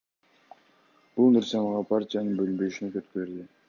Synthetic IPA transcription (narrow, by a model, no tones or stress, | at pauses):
b̥ulˠnɪɾsɑmɑʁɑpʰaɾtʲijanɯnbølynbø̞jyʃinekøt̪køɾd̪ɪ